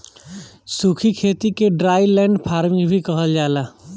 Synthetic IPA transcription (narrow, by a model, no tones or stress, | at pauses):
suːkʰikʰeːt̪ikeɖɾaːɪlɛ̃ːɳɖpʰaːɾmɪ̃ŋɡbʱikɐɦəld͡ʒaːlaː